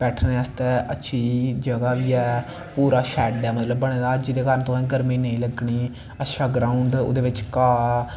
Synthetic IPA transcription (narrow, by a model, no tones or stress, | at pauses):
b̥ɛːʈʰnəst̪ɛətːʃʰiːd͡ʒəɡaːʋiːɛː | puːɾaːʃɛːɖɛːmət̪ləbːəɽ̃eːd̪aːəd͡ʒiːd̪eːkaɾnt̪õːĩːɡəɾmĩːnəĩːləɡɳiː | əʃaːɡɾaːʊɳɖʊ̰d̪eːʋɪt͡ʃkaː